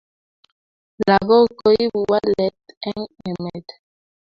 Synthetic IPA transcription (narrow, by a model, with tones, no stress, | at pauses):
la˨ɣo˦ko˦i˦bu˨wa˦lɛ˦tɛ˦ŋɛ˨mɛ˨d